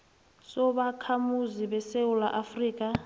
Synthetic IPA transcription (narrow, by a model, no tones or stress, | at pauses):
sɔɓakʰamuziɓɛseula̰ʔafriːk̬ʼa